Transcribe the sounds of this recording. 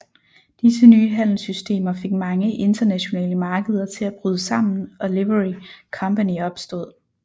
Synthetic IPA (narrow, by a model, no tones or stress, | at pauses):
d̥is̬ənyːɦæn̰l̩sysd̥e̝̰ːmɐfe̝ɡ̥̚mɑ̈ŋəʔe̝nd̥ɐnæɕo̝nɛ̰ːləmɑ̈ːɡ̥əð̞ˠɐt͡sʰe̝læb̥ʁyːð̞ˠəsɑ̈m̰n̩ʔɒ̽leʋəʁikʰɒ̽mpæniɒ̽b̥sd̥ɔ̽ð̰ˠ